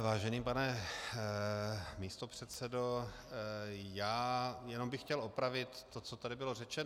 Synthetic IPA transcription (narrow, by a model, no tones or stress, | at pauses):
vaːʒɛniːmpanɛ | miːst̪o̞pr̥ɛt̪sɛdo̞ | jaːjɛno̞mbɪxːcɛlopɾavɪt̪ːot͡sot̪adɪbɪlo̞rɛt͡ʃɛn